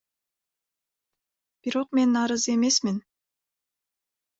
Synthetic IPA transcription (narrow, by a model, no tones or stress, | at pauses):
b̥iɾo̞qme̞nɑɾɯze̞me̞smin